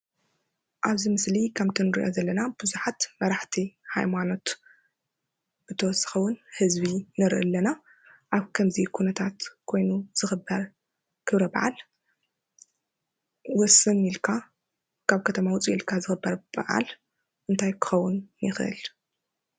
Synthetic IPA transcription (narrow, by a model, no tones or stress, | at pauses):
ʔaβzimɨslikʰamt̪ʰɨnɨɾḭʔo̞zɐlːɐnabɨzuħat̪mɐɾaħt̪ʰihajmano̞t̪ | bɨt̪ʰɐwɔsɐ̥xɐwʊnhɨzβinɨɾʔɨ̰lːɐna | ʔaβkʰɐmzikʰunɐt̪ʰat̪kʰo̞jnuz̥ɨxɨbːɐɾ | kʰɨβɾɐbɐʕa̰l | wɔsːɨnːilkʰa | kʰaβkʰɐt̪ʰɐmawʊt͡sʼiilkʰazɨxɨbːɐɾb̥a̰ʕa̰l | ʔɨnt̪ʰajkʰɨ̥xɐwːʊnjɪxʔɨ̰l